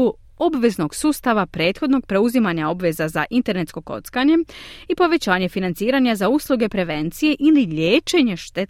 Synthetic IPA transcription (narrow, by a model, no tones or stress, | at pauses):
u | o̞bʋe̞zno̞ɡsuːst̪aʋapɾe̞ːt̪xo̞d̪no̞ɡ̚pɾe̞uzimaɲao̞bʋe̞zaza̰ʔint̪e̞ɾne̞t̪sko̞ko̞̰t̪skaɲe̞ipo̞ʋe̞t͡ɕaːɲe̞finant̪siːɾaɲazauːslˠuɡe̞pɾe̞ʋe̞nt̪sije̞ʔiliʎeːt͡ʃe̞ɲeʃt̪e